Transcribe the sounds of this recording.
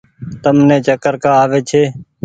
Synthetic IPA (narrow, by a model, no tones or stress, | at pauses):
t̪əmnẽːt͡ʃəkəɾkaːaːʋeːt͡ʃʰeː